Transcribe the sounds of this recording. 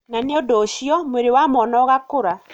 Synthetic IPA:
naneɔdɔʃiɔmeɾewamɔnɔɣakoɾa

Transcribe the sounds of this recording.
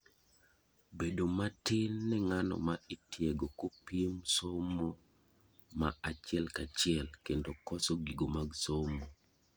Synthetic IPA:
bedomatɪnːɛŋanɔ̰maitjɛɡokopimsomːo | maat͡ʃɪɛlkat͡ʃɪɛlkendokɔsɔɡiɡomaɡsomo

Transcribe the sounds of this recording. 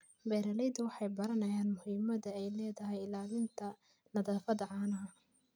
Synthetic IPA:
bɛːɾɐlɛjd̪ʊwɑħɑjbɐɾɐnɐjaːnmʊhiːmɐðɐɛjlɛːðɐɦɛjɪlaːlɪnt̪ʰɐ | nɐðaːfɐðɐʕɑːnɐɦɐ

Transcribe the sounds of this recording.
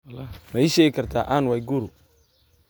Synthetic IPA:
mɛɪʃɛːjɪkʰɐrt̪ʰa̰ːʔaːnwajɡuːɾʊ

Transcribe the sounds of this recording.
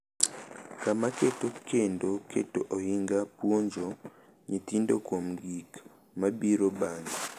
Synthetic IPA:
kamaketokʰendokḛtoʔohiŋɡapwoɲd͡ʒo | ɲitindokom̩ɡik | mabiɾobaɲa

